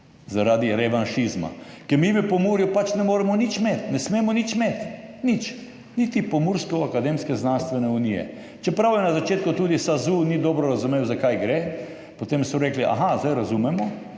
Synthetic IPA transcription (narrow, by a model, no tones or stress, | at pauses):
zaɾaːd̪iɾɛʋanʃizma̰ | kɛɾmibipɔmuɾjupat͡ʃnɛmoːɾɛmɔnit͡ʃmeːt̪nɛsmeːmɔnit͡ʃmeːt̪nit͡ʃ | nit̪ipomuɾskːakad̪emskɛznanst̪ʋɛnɛunijɛ̰ | t͡ʃɛpɾawjɛnazat͡ʃeːt̪kʊt̪uːd̪isazunid̪ɔbɾɔɾazumeːwzakajɡɾe | pot̪emsɔɾeːkliʔa̰ɦazd̪ajɾazumɛmɔ